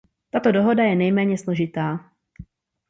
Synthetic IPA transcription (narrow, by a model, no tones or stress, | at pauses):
t̪at̪odoɦo̞dajɛnɛjmɛːɲɛslo̞ʒɪt̪aː